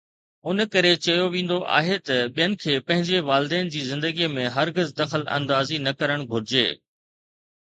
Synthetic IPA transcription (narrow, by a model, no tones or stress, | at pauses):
ʊnkɐɾet͡ɕɐjoʋĩːn̆d̪oʔa̰ːɦet̪ɐɓijənɪ̆kʰeːpɐ̃ɦɪ̃ɲd͡ʑeʋaːlɪd̪ɛːn̆d͡ʑiːzɪ̃nd̪əɡimẽɦɐɾɡɪzd̪ɐxəlɐ̰̃nd̪aːzinɐkɐɾəɽ̃ɡʱʊɾɪd͡ʑḛː